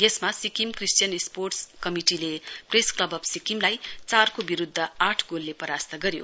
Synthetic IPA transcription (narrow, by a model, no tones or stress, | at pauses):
jesmasikimkrisʈijʌnisporʈskʌmiʈilepresklʌbʌbsikimlajt͡sarkobiɾud̪ʱːʌaʈʰɡolːepʌɾast̪ʌɡʌɾjo̰